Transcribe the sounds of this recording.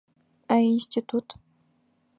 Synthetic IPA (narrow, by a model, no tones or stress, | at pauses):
ainsʲtʲit̪ut̪